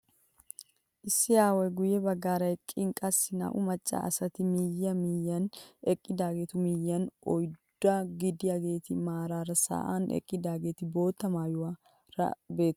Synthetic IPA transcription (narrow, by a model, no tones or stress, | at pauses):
ʔɪsːɪjaːwɔjɡʊjɛbɐɡːaːɾɐjkʼɪŋkʼɐsːɪnɐ̰ʔʊmɐt͡ʃʼːa̰ʔɐ̰sɐt̪ɪmɪjːɐmijːɐnɛkʼːɪd̪aːɡe̞ːt̪ʊmɪjːɐnʔɔjd̪̥ːaɡɪd̪ɪjaːɡe̞ːt̪ɪmaːɾaːɾɐsa̰ːʔanɛ̰kʼːɪd̪aːɡe̞ːt̪ɪbo̞ːt̪ːɐmaːjʊwaː | ɾɐ̰be̞ːt̪ː